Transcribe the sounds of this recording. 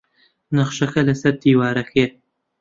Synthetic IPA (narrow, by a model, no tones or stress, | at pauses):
nɐχʃɐkɐlɐsɐɾd̪iːwaːɾɐkʰe